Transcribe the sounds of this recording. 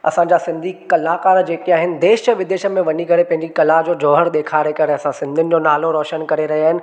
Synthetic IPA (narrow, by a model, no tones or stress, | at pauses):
ɐ̰sãɲd͡ʑasɪ̃nd̪ʱikɐlakaːɾd͡ʑeːkiaːɦɪnɪ̆d̪eːʃəʋɪd̪eːʃəmẽʋɐɲikɐɾepɐ̃ɦɪ̃ɲd͡ʑikɐlad͡ʑoːd͡ʑɔːɦəɾɗ̪eːkʰaːɾekɐɾeɐsãsɪ̃nd̪ʱiʊnɪ̆d͡ʑoːnaːloɾɔːʃənkɐɾeɾɐɦiaːɦɪnɪ̆